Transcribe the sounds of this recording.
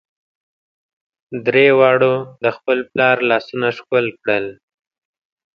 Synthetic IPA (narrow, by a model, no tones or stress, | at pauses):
d̪ɾewɑɽod̪əxpəlplɑɾlɑsunaʂkəlkɽəl